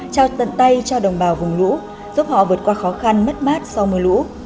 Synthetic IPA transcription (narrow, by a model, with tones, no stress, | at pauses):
t͡ɕaː˧˩wt̪ə̰˧˨nt̪a˧jt͡ɕɔ˧ɗə˨˩wŋ͡mɓaː˨˩wvʊ˨˩ŋ͡mlṵ˧˥ | zu˦˥p̚hɔ̰˧˨vɨ˨˩ət̚kwaː˧xɔ˨˦xa˧nmə˦˥t̚maː˦˥t̚sa˧wmɨ˧əlṵ˧˥